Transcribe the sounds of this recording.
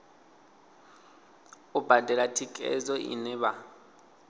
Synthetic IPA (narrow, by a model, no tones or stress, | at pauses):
ʊbadʱɛlatʰikʼɛ̰zɔʔḭnɛβa